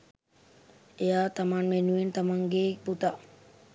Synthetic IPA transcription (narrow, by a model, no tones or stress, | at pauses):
ejat̪amanmenuent̪amaŋɡeːbut̪a